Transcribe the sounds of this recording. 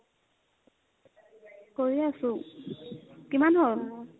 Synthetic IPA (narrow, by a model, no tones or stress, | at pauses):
koɹiasʊ | kimanɦol